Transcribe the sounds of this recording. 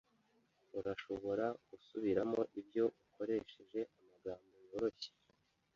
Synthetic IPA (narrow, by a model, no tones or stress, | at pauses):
uɾaʃo̞βo̞ɾaɡ̥usuβiɾamo̞ʔibjo̞ʔukʰo̞ɾe̞ːʃe̞ʒe̞ʔamaɡaːmbojoːɾo̞çe̥